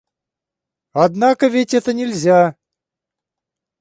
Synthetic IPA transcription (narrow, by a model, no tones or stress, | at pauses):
ɐd̪nakəvʲetʲɛt̪ənʲɪlʲzʲa